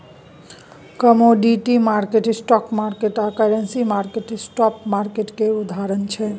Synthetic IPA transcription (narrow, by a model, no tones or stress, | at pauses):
kəmoɖiʈimaɾkeʈsʈɔkmaɾkeʈakəɾensimaɾkeʈsʈɔpmaɾkeʈkeud̪ʱaɾənt͡ʃʰɛ